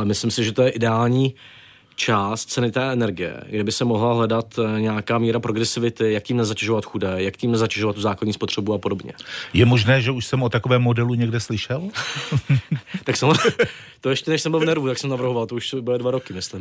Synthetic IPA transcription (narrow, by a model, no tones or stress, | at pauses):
ʔlɛmɪslɪmsɪʒɛt̪ojɛʔɪdɛaːlɲiː | t͡ʃaːst̪̚t͡sɛnɪt̪ɛːʔɛnɛɾɡɪjɛ̰ɡdɛbɪsɛmo̞ɦlaɦlɛdat̪ɲɛakaːmiːɾapɾo̞ɡɾɛsɪvɪt̪ɪjak̚ciːmnɛzacɛʒovat̪xudɛːjakciːmnɛzacɛʒovat̪ːuzaːkladɲiːspo̞t̪r̝̥ɛbuapo̞do̞bɲɛ̰jɛmo̞ʒnɛːʒɛuʃsɛmot̪akovɛːmːodɛluɲɛɡdɛslɪʃɛl | t̪aksɛm | t̪ojɛʃcɛnɛʃsɛmbɪlvnɛɾvut̪aksɛmnavr̩ɦovalt̪ouʃsbɪlɪdvaɾo̞kɪmɪslɪm